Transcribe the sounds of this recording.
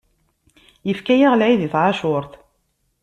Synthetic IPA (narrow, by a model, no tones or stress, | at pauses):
jəfkæjaʁlʕiðiθʕaʃʊɾˤθ